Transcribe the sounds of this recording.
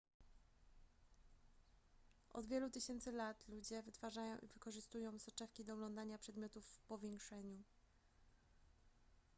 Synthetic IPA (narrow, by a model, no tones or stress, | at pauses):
ʔɔ̰d̪vʲjɛlut̪ɘɕɛnt̪sɘlat̪lud͡ʑɛvɘt̪faʐajɔ̰̃w̃ʔḭvɘkɔʐɘst̪ujɔ̃w̃sɔt͡ʂɛfkʲid̪ɔuɡlɔnd̪aɲapʂɛd̪mʲjɔt̪ufpɔvʲjɛŋkʂɛɲu